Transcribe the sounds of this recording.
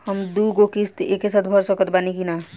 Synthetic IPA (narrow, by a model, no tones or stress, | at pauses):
həmd̪uɡokist̪eːkːesaːt̪̚bʱəɾsɔkət̪baːnikina